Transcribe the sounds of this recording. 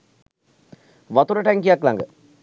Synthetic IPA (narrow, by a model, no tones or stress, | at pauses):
ʋɐt̪uɾɐʈaːŋkijaːkːɯla̰ːŋɡɐ